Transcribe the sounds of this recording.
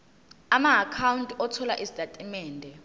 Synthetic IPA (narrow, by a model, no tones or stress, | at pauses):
amaːkʰawuntʼɔtʰɔlaʔizitʰʼatʼimɛːndʱɛ